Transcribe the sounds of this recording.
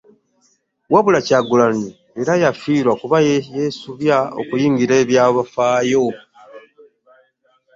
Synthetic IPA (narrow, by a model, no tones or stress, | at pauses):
waβulacaɡulani | eɾajafiːɾwakuβajjesuβjao̰kujiːŋɡiɾe̞ːβjaːβafaːjo̞